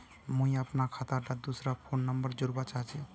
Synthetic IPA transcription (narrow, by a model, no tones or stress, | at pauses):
mũĩəpnakʰat̪aɾʈ̪ad̪usɾapʰonːəmbəɾd͡ʒuɾbat͡ʃaɦt͡ʃʰi